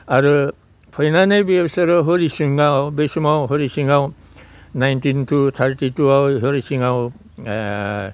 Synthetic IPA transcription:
aɹu | pʰɔjnanebiebseɾɔɦoɾisiŋawbesumawɦoɹisiŋaw | najntintʰut̪ʰaɹtituaɦoɹisiŋaw

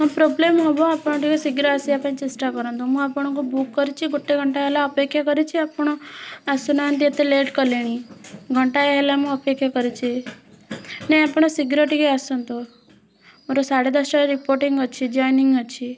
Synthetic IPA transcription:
ɦɔ̃pɾoblemɦɔboapɽ̃õʈikesiɡɾɔasiapnĩt͡ʃesʈakəɾɔnt̪omũapəɽ̃okobukːəɾit͡ʃʰiɡʱoʈːeɡʱəɳʈaelaəpekʰjakəɾit͡ʃʰiapəɽ̃oasunant̪̬iet̪eleʈkəleɽ̃iɡʱəɳʈaeɦelamũəpekʰjakəɾit͡ʃʰe | neapəɳ̃osiɡɾoʈikeasɔnt̪o | maɾosaɽed̪əsaɾipoɾʈiŋɡət͡ʃʰid͡ʒɔjniŋɡət͡ʃʰe

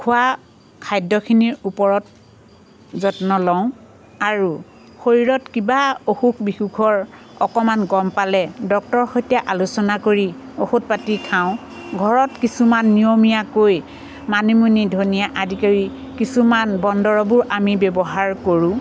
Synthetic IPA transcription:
kʰʊwa | kʰajdɔkʰiniɹupɔɹɔt | zɔtnɔlɔʊ̃ | aɹu | xoɹiɹɔtkibaoxukbixuɡʰɔɹɔkɔmanɡɔmpalɛdɔk̚tɔɹxojtijaʔalusɔnakoɹioxut̚patikʰaʊ̃ | ɡʱɔɹɔtkisumanːijomijakoj | manimunidʱonijaʔadʱikaɹi | kisumanbɔndɔɹɔbʊɹʔamibɛbɔɦaɹkoɹũ

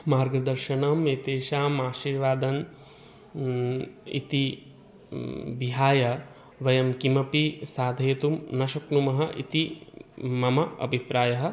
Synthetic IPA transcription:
maːɾɡɐd̪ɐɾʃɐnɐmet̪eːʃaːmaːʃiːɾʋaːd̪ɐn | ḭt̪i | biɦaːjɐ | ʋɐjɐmkimɐpisaːd̪ʱɐjɐt̪umnɐʃɐknumɐɦɐʔḭt̪i | mɐmɐɐ̰bʱipɾaːjɐɦɐ̆

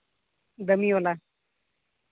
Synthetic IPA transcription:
d̪əmiola

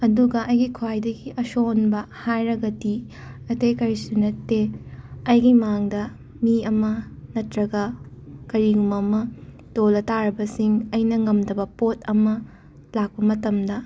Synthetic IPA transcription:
ɐduɡɐʔɐjɡikʰwajdɐɡiʔɐsonbɐhajɾɐɡɐdi | ɐtɐjkɐɾisunɐtːeɐjɡimaŋdɐ | miɐmɐnɐtɾɐɡɐkɐɾiɡumɐmɐ | tolɐtaɾɐbɐsiŋɐjnɐŋɐmdɐbɐpot̚ʰɐmɐ | lak̚pɐmɐtɐmdɐ

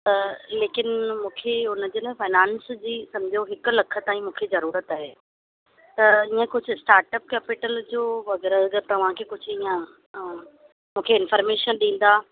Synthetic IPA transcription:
t̪ɐleːkɪnmũːkʰeʊnəd͡ʑeːlaːɪfaːnãːnsd͡ʑiːsɐ̃md͡ʑʱijoɦɪkʊ̆lɐkʰə̆t̪aːĩmũːkʰezɐɾuːɾət̪aːɦeː | t̪ɐiːə̃kʊd͡ʑʱʊsʈaːɾʈəp̚kɛːpɪʈəld͡ʑoːʋɐɣɛːɾəzɡəɾt̪ɐʋ̤ãkʰeːkʊd͡ʑʱʊiːə̃ | mũːkʰeɪnfəːɾmeːʃənɗĩːn̆d̪aː

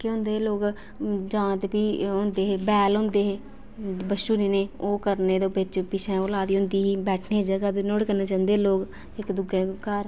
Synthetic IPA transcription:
keʊ̃nd̪eːloːk | d͡ʒãːt̪epiːõnd̪eːɦeːbɛːlɦʊ̃ːnd̪eːɦeː | bəʃuːniːneːoːkəɾneːd̪oːbɪt͡ʃpɪt͡ʃʰɛ̃ːoːlaːd̪iːʊnd̪iːɦiːbɛːʈʰneːd͡ʒəɡaːd̪eːnoːɽkəneːt͡ʃãːnd̪eːloːk | ɪkd̪ʊɡẽːkəɾ

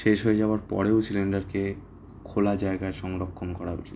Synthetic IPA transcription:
ʃeʃɦojed͡ʑaoaɾpɔ̰ɾeosilenɖaɾke | kʰolad͡ʑaeɡaeʃɔŋɾokʰːomkɔɾaɦo̰t͡ɕʰi

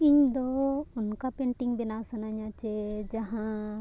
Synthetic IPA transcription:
ĩɲd̪oʊnkapẽːɳʈɪ̃ŋɡbɪnasɐnaɲãt͡ʃed͡ʒɐɦã

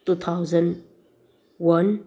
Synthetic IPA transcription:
t̪ut̪ʰawzən | wɐn

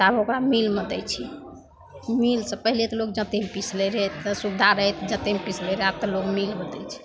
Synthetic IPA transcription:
t̪abokɾamilməd̪ɛjt͡ʃʰi | milsəpəɦilet̪ɔlok̚d͡ʒə̃t̪empisleɾɛɦt̪subd̪ʱaɾəɦɛt̪d͡ʒə̃t̪empisleɾeab̚t̪ɔlokmilbəd̪ɛjt͡ʃʰi̥

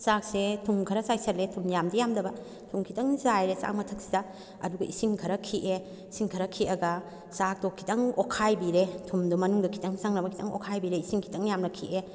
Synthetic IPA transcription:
sak̚setʰuŋkʰɐɾɐsajsɐɾletʰumjamdɐjamdɐbɐ | tʰuŋkʰitɐŋzajɾesa̰k̚mɐtʰɐk̚si̥dɐ | ɐ̰duɡɐʔisiŋkʰɐɾɐkʰiʔe | isiŋkʰɐɾɐkʰiʔɐɡɐ | sak̚tɔkʰːi̥tʰɐŋokʰajbiɾetʰumdumɐnuŋdɐkʰi̥tɐŋsaŋnɐbɐkʰitʰɐ̰ŋo̰kʰajbiɾeisiŋkʰi̥tʰɐŋjamnɐkʰiʔe

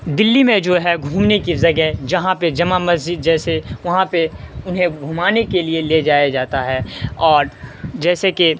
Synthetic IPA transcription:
d̪ɪlːimẽd͡ʒoːɦɛɡʱuːmnekizɐɡɛd͡ʒɐɦãped͡ʒɐmamɐzd͡ʒɪd̪̚d͡ʒɛːseʋɐɦãpeʊnɦẽɡʱumaːnekelieled͡ʒaːjad͡ʒaːt̪aɦɛːɔːɾd͡ʒɛːseke

